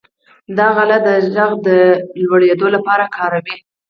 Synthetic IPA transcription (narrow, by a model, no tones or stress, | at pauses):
d̪ɑɣalad̪əʒaɣd̪əlwaɽed̪olapɑɾakʰɑɾawi